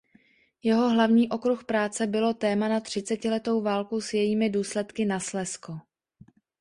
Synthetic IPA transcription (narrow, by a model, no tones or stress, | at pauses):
jɛɦo̞ɦlavɲiːʔo̞kɾuxpɾaːt͡sɛbɪlo̞t̪ɛːmanat̪r̝̥ɪt͡sɛcɪlɛt̪o̞wvaːlkosjɛjiːmɪduːslɛt̪kɪnaslɛsko